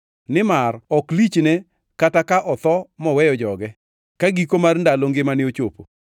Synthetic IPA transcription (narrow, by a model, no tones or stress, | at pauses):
nɪmarɔklit͡ʃnɛ | katakaʔɔt̪ɔmɔwɛjɔd͡ʒɔɡɛ | kaɡikomarndaloŋɡɪmanɪot͡ʃopo̰